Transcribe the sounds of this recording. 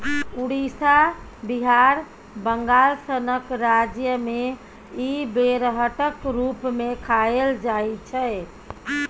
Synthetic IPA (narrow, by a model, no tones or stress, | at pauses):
uɽisa | biɦaɾ | bəŋɡalsənəkɾad͡ʒjəme | ibeɾɦəʈəkɾupmekʰaeld͡ʒaet͡ʃʰɛ